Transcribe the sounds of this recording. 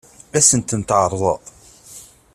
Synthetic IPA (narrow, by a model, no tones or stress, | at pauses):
æsənt̪ənt̪ʕəɾˤðˤəq